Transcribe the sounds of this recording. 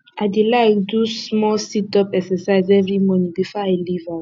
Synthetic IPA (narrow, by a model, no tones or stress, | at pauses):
aɪdelaɪkdusmɔlsitɔpɛksɛsaɪzɛvɹimõnibifɔaɪliva